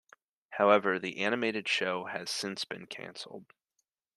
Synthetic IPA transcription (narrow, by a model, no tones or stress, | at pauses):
haʊɛvə˞ðiʔænɨmeɪɾɨd̥ʃoʊɨz̥sɪ̃nsb̥ɨ̰̃nkʰæ̰̃nsl̩ˠd̥̚